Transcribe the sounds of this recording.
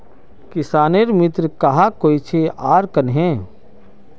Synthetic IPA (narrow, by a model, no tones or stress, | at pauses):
kɪsaːneɾmɪt̪ɾəkɐɦakoːit͡ʃʰeaːɾkənɦɛ̃ː